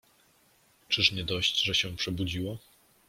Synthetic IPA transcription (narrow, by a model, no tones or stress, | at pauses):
t͡ʂɘʂmɲɛd̪ɔɕd͡ʑʐɛɕɛ̃pʂɛbud͡ʑiwa